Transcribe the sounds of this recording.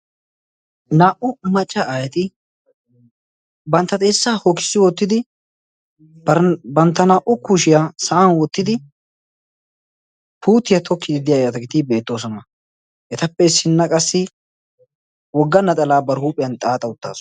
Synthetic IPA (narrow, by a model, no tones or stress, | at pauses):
naːʔʊmɐt͡ʃʼːɐʔajɛt̪ɪ | bɐnt̪ːɐt̪ʼeːsːaːhokɪ̥sːɪwɔt̪ːɪd̪ɪ | bɐnt̪ːɐnaːʔʊkuʃɪjasɐʔanwɔt̪ːɪd̪ɪ | puːt̪ːɪjɐt̪ʰɔkʰːɪd̪ɪd̪ɪjaːjɛɐt̪ɐɡɪt̪ɪbe̞ːt̪ːo̞ːs̬ɔnɐ | ʔɛt̪ɐpːɛsɪnːɐkʼɐsːɪ | wɔɡːɐnːɐt̪ʼɐlaːbɐɾhuːpʼɪjɐnt̪ʼaːt̪ʼːɐʊt̪ːa̰ːs